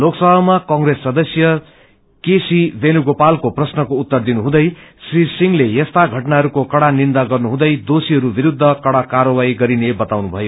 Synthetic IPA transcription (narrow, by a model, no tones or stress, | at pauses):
loksʌbʱamakʌ̃ŋresːʌd̪ʌsjʌ | kesibenuɡopalkoprʌsnʌkout̪ːʌrd̪inuɦũd̪ʌjsrisiŋlejʌst̪aɡʱʌʈnaɦʌɾukokʌɽanind̪aɡʌrnuɦũd̪ʌjd̪osiɦʌɾubiɾud̪ʱːʌkʌɽakarʌwajɡʌɾinebʌt̪awnubʱʌjo